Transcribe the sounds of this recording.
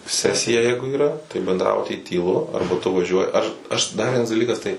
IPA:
ˈsʲæːsʲɪjɛ ˈjɛɪɡʊ iːˈrɐ tɐɪ bʲɛndˈrɑːbʊtʲiː tʲiːˈlˠʊ ˈɐrbɐ tʊ ʋɐˈʒʲuɔjɪ ɐʃ ɐʃ dɐr ˈʋʲiɛnɐs dɐˈlʲiːkɐs tɐɪ

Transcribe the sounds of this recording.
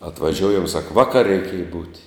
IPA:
ɐtʋɐˈʒʲuɔjɛm sɐk ˈʋɑːˌkɐrʲ rʲɛɪˈkʲeːjɛ buːtʲ

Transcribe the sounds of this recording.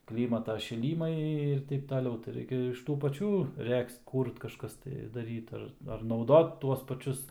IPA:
ˈklʲiːmɐtɐ ʃʲɪˈlʲiːmɐɪ ɪr ˈtʲɛɪp tɐˈlʲɛʊ tɐɪ ˈrɐɪkʲɛ ɪʃ ˈtuː pɐˈt͡ʃʲuː ˈrʲɛkst ˈkuːrt kɐˈʃkɐs tɐɪ dɐˈrʲiːt ɐr ɐr nɐʊˈdoːt ˈtuɔs pɐˈt͡ʃʲʊs

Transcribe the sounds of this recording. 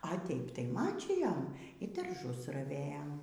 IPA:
ɐ ˈtʲɛɪp tɐɪ ˈmɑːt͡ʃʲiːjoːm iː dɐrˈʒʊs rɐˈʋʲeːjoːm

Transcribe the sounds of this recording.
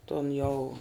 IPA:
tʊn jɛʊ

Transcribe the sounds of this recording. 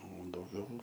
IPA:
oː dɐʊˈɡʲɛʊ

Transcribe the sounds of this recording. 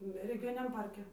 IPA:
rʲɛɡʲɪˈjoːnʲɪnʲɛm ˈpɐrʲkʲɛ

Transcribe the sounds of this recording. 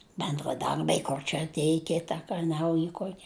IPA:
bʲɛndrɐˈdɐrʲbʲɛɪ ˈkoːr t͡ʃʲɛ ɐtʲˈeːj ˈkʲɪtɐ kɐ ˈnɐʊjɪ ˈkuɔkʲɪ

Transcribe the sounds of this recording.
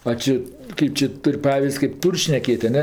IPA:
ɐ ˈt͡ʃʲɪ ˈkɐɪp t͡ʃʲɪ ˈtʊrʲ ˈpɑːʋʲɪsʲtʲ kʲeːp ˈtuːrʲ ʃʲnʲɛˈkʲeːt ɐˈnʲɛ

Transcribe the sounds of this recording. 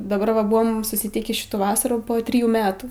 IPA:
dɐˈbɐr ʋɐ ˈbʊʋoːm sʊsʲɪtʲˈiːkʲiː ˈʃʲɪtuː ˈʋɑːsɐruː ˈpoː ˈtʲrʲɪjuː ˈmʲæːtuː

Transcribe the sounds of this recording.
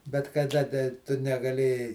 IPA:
bʲɛt kɐˈdɐ dɐ ˈtʊ nʲɛɡɐˈlʲeːjɛɪ

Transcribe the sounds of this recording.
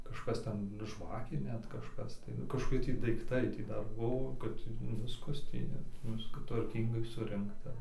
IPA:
kɐʃˈkɐs ˈtʲɛn ˈʒʋɑːkʲeː ˈnʲɛt kɐʃˈkɐs tɐɪ kɐʃkoːˈkʲɪ tʲiː dɐɪkˈtɐɪ ˈtʲiː ˈdɐr ˈbuɔ kɐt ˈʋʲɪskɐs ˈtʲiː nʲɛt ˈʋʲɪskɐ tʋɐrʲˈkʲiːŋɡɐɪ ˈsʊrʲɪŋktɐ

